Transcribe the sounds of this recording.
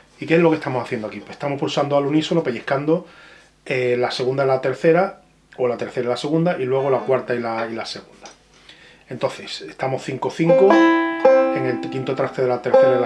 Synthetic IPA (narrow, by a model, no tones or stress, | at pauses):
ikezlokest̪amosaθjend̪oakipwest̪amopulsand̪oalunisolapeʎehkand̪o | elase̞ɣund̪ailat̪e̞ɾθe̞ɾa | o̞lat̪e̞ɾθe̞ɾailase̞ɣund̪aʔilwe̞ɣ̞o̞lakwaɾt̪ailailase̞ɣund̪ḁ | e̞nt̪o̞nθe̞sehst̪amo̞hθiŋko̞θiŋko | e̞ŋe̞lkint̪ot̪ɾat̪eðe̞lat̪e̞ɾθeɾa